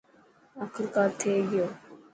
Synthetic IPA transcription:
akʰəɾkaːt̪ʰeːɡɪjoː

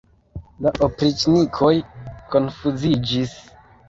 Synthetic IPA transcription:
laʔopɾit͡ʃnikʰo̞jko̞nfuzid͡ʒis

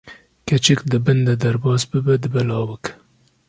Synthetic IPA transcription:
kat͡ʃikd̪əbənd̪ad̪aɾbɑːzbəbad̪əbalɑːwək

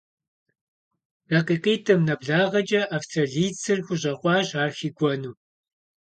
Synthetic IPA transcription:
raːqiːqeːtʰɐmnɐbɮaːʁɐd͡ʒɐʔaftʰɐɮiːt͡sʰɨrxʷʊʑʼɐχʷʼɑːɕaːrxiɡʷʼɔnuː

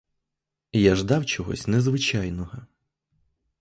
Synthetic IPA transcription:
jaʒd̪ɑwt͡ʃɔɦɔ̰sʲnezʋɪt͡ʃɑjnɔɦɔ

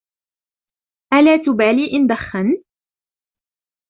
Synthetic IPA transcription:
ʔalaːt̪ʊbaːliːʔɪnd̪axːan

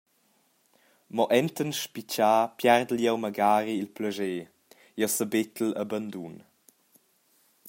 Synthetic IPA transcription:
mɔʔɛnt̪ənʃpit͡ʃaːpjɛrd̪əljɛwməɡaːɾiilpləʒeː | jɛwsəbet̪ələband̪un

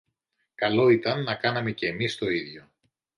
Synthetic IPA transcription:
kɐlo̞it̪ɐnːɐkɐnɐme̞ce̞ːmist̪o̞iðʝo̞

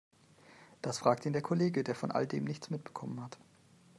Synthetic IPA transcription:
d̥asfʁ̥aːk̚tiːndeːɐkʰoleːɡədeːɐfɔnʔa̰ldḛːmnɪçt͡smɪt̚b̥ə̥kʰɔmənhat

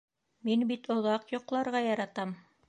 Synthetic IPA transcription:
minbit̪ŏðɑqjŏqlˠɑɾʁɑjɑɾɑt̪ɑm

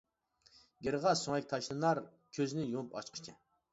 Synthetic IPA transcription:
ɡʲeɾʁɑsoŋɛk̚ʲt̪ʰɑʃlˠɨnɑɾ | kʲʰøznɪjopʰɑ̰ʃqʰə̥t͡ʃʰɛ

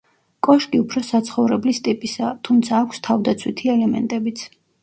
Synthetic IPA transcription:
kʼɔʃkʼiupʰɾɔsat̪sʰχɔvɾɛblist̪ʼipʼisat̪ʰumt̪sʰaːkʷʰst̪ʰavd̪at̪sʰwit̪ʰiɛlɛmɛ̰nt̪ʼɛbit̪sʰ

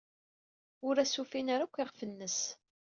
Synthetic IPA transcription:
ʊɾæsufinaɾækʷːɪʁfənːəs

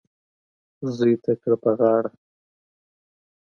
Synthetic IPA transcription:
zujt̪akɽpəɣɑːɽa

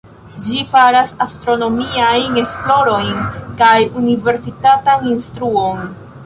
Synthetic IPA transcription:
d͡ʒifaɾasastɾo̞no̞miajne̞splo̞ɾo̞jnkajunive̞ɾsitataninstɾuo̞n

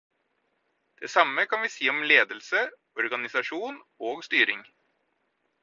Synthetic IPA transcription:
d̪̥eːsɑməkʰɑnʋiːsiːɔmleːd̪əlsə | ɔɾɡɑnɪsɑʂuːn | oːɡst̪yːɾɪŋ

